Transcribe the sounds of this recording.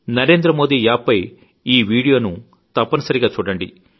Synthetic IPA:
nɐɾe̞ːnd̪ɾɐmo̞ːd̪iːjaːpːɐj | iːʋiːɽijo̞ːnu | t̪ɐpːɐnɐsɐɾiɡaːt͡ʃuːɽɐɳɖḭ

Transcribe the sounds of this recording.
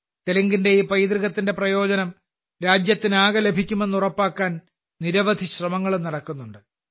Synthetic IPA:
t̪eliŋɡinde̞iːpɐjd̪riɣɐt̪ːinde̞prɐjo̞ːd͡ʑɐnɐm | ɾaːd͡ʑjɐt̪ːinaːɣɐle̞bʱikʲːume̞nːurɐpːaːkːaːn | niɾɐʋɐd̪ʱiɕrɐmɐŋːɐɭumnɐɽɐkːunːuɳɖɨ

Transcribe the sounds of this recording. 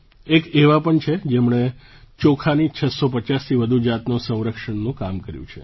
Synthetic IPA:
ekeʋapəɳt͡ʃʰed͡ʒemɳe | t͡ʃokʰanit͡ʃʰəsop̬ət͡ʃast̪ʰiʋəd̪ʱud͡ʒat̪nusə̃w̃ɾəkʃəɳnũkamkəɾjṵ̃t͡ʃʰḛ

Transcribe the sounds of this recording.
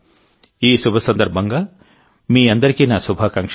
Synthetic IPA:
iːsubʱɐsɐnd̪ɐɾbʱɐŋɡɐ | miːɐnd̪ɐɾikinasubʱakaŋkʃ

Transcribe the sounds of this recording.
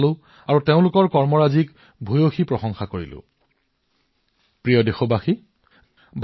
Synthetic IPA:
lʊ̃ | aɹuteʊ̃lʊkɔɹkɔɹmɔɹazik | bʱojoxipɹɔxɔŋxakoɹḭlʊ̰ | pɹijɔdexɔbaxi | bʱ

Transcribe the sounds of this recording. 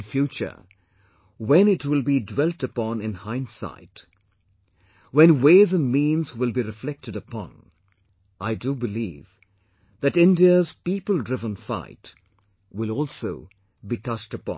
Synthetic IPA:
nfjut͡ʃə̰˞ | wɛ̃nɪtwɪlˠbidwɛlˠtəpɔ̃nɪ̃nhãɪ̃nsa̰ɪt | wɛ̃nweɪzɨ̃nmĩnzwɪlˠbiɾɨflɛk̚tɨɾəpɔ̰̃n | ʔaɪdubɨlḭːv | ðɨtɪ̃ndiəz̥pipəl̩ˠdɹɪvə̃nfa̰ɪt | wɪlˠɔlˠsoʊ | bitʰʌt͡ʃtəpɔ̰̃

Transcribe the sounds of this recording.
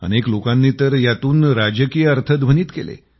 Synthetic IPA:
ə̰neklokãnːiːt̪əɾjat̪uːnɾad͡ʑəkijəəɾt̪ʰəd̪bʱəniːt̪kelḛ

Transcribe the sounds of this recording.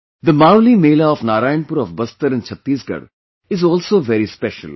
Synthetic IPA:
d̪əmaːɾlimeːlaɔfnaːɾaːjə̃npʊɾɔfbɐst̪əɾɪ̃nt͡ʃʰɐt̪ːiːsɡɐ̰ɽ | ɪzɔːlsoːʋɛɾispɛʃə̰l

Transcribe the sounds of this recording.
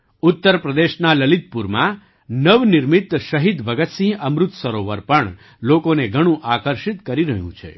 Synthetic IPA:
ut̪ːəɾpɾəd̪eʃnaləlit̪̚puɾmã̰ | nəʋnɪɾmit̪ʃəɦid̪ʋəɡət̪sĩəmɾʊt̪səɾoʋəɾpəɳ | lokoneɡʱəɽ̃ũʔakəɾʃit̪kəɾiɾəɦjṵ̃t͡ʃʰḛ

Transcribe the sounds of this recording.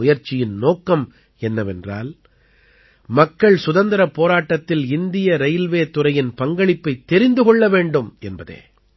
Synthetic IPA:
ʊjɐɾt͡ʃːɪjɪnnoːkːɐm | ɛnːɐʋɛndra̰ːl | mɐkːɐɭsʊðɐnd̪ɐɾɐpːoːɾaːʈːɐt̪ːɪlɪnd̪ɪjɐɾɐjlʋeːt̪ʊɾɐjɪnpɐŋɡɐɭɪpːɐɪt̪ːɛɾɪnd̪ɯɣɔɭːɐʋeːɳɖɯmɛnbɐðḛː

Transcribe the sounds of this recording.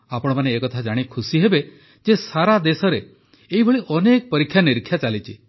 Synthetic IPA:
apɔɽ̃ɔmaneːkɔt̪ʰad͡ʒaɽ̃ikʰusiɦebe | d͡ʒesaɾad̪esɔɾe | eɦibʱɔɭiʔɔnekɔpɔɾikʰːjaniɾikʰːjat͡ʃalit͡ʃʰi

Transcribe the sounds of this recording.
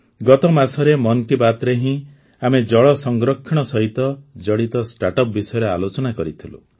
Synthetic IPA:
ɡɔt̪ɔmasɔɾemɔnk̪ibat̪ɾeɦĩ | amed͡ʒɔɭɔsɔŋɡɾɔkʰːiɽ̃ɔsɔɦit̪ɔd͡ʒɔɽit̪ɔsʈaʈɔp̚bisɔjɔɾea̰lot͡ʃɔnakɔɾit̪ʰilṵ

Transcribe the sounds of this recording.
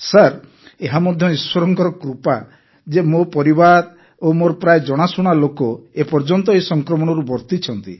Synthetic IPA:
saɾ | eɦamɔd̪ʱjɔiswɔɾɔŋkɔɾɔkɾupa | d͡ʒemopɔɾibaɾ | omoɾɔpɾaed͡ʒɔɽ̃asuɽ̃alokɔepɔɾd͡ʒɔnt̪ɔesɔŋkɾɔmɔɽ̃ɔɾubɔɾt̪it͡ʃʰɔnt̪ḭ

